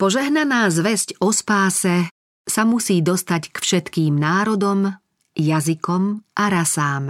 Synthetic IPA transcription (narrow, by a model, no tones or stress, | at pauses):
pɔʒɛɦnanaːzʋɛzcɔspaːsɛ | samusiːd̪ɔst̪ackfʃɛt̪kiːmnaːɾɔd̪ɔm | jazikɔmʔaɾasaːm